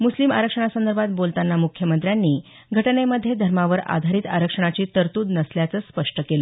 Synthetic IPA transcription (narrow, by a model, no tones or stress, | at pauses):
muslima̰ɾəkʂəɳ̃asənd̪əɾbʱat̪̚bolt̪anːamukʰjəmənt̪ɾjanːiː | ɡʱəʈɳeməd̪ʱːjed̪ʱəɾmaʋəɾa̰d̪ʱaɾiːt̪a̰ɾəkʂəɳ̃at͡ɕiːt̪əɾt̪uːd̪nəsljat͡səːspəʂʈəkelə